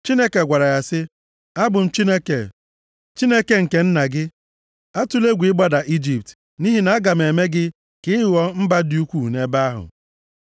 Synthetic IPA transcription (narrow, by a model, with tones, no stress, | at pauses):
t͡ʃi˦ne˦ke˨ɡʷa˨ɾa˨ja˦sɪ˦ | a˦bʊ˨n̩˦t͡ʃi˦ne˦ke˨ | t͡ʃi˦ne˦ke˨ŋ̩˨ke˨n̩˦na˨ɡɪ˦ | a˦tu˦le˦ɡʷi˨˦ɪ˦ɡ͡ba˦da˨ʔi˦d͡ʒi˨p̚t | ni˦ɦi˦na˨a˦ɡa˨m˨e˨me˦ɡɪ˦ | kɪ˦˨wɔ˦m̩˦ba˦dɪ˦u˦kʷu˦˨ne˦ba˦a˦ɦʊ̰˨